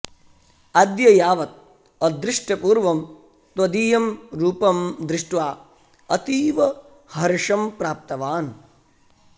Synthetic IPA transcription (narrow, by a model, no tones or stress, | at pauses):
ɐd̪jɐjaːʋɐt̪̚ | ɐd̪ɾɪʂʈɐpuːɾʋɐm | t̪ʋɐd̪iːjɐmɾuːpɐmd̪ɾɪʂʈʋaː | ɐt̪iːʋɐ | hɐɾiʂɐmpɾaːp̚t̪ɐʋaːn